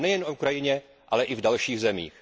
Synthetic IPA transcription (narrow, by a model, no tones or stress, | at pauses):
nɛjɛnoukɾajɪɲɛ | ʔalɛʔɪvdalʃiːɣzɛmḭːx